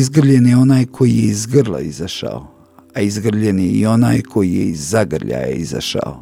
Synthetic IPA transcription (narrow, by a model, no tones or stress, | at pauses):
izɡr̩ʎenjeo̞naːjkʰo̞jijeizɡr̩lˠa̰izaʃa̰o̰ | aizɡr̩ʎeneio̞naːjkʰo̞jijḛizːaɡrʎa̰jḛiza̰ʃa̰o